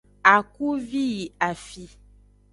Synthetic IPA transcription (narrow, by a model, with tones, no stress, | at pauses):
a˨ku˦vi˦ji˨a˨fi˦